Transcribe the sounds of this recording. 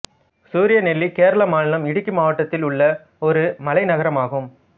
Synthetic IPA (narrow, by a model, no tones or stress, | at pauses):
suːɾɪjɐnɛlːikeːɾɐɭɐmaːnɪlɐmɪɽɯkːɯmaːʋɐʈːɐt̪ːɪlʊɭːɐ | ɔɾɯmɐlɐɪnɐɣɐɾɐmaːɣɯm